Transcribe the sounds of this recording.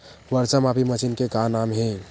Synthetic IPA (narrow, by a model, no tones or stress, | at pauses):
ʋəɾt͡ʃəmapimət͡ʃinkekanamɦẽ